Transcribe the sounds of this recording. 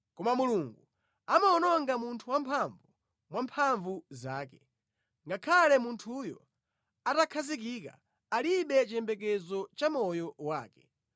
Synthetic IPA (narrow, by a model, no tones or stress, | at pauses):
kɔmamuluŋɡu | amaɔnɔŋɡamuntʰuwampʰaɱvu | mwampʰaɱvuzaːkɛ | ŋɡakʰalɛmuntʰujɔ̰ | atakʰazik̬ika̰ | aliɓɛt͡ʃɛmbɛk̬ɛzɔt͡ʃamɔjɔwaːkɛ̥